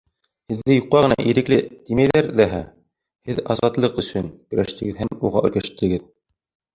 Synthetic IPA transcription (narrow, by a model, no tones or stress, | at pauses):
hɘ̆ðːɘjuqːɑʁɤ̆nɑ̰ʔiɾɘ̆klɘt̪imæjðæɾðæɦæ | hɘðɑzɑt̪lˠɤqɵ̆sɵnkɵ̆ɾæʃt̪ɘ̆ɡɘðhæmmuʁɑ̰ʔɵ̆ɾkæʃt̪ɘ̆ɡɘð